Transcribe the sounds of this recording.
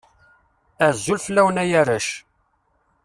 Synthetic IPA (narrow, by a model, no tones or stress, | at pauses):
æzːulflːæwnæjæɾæʃ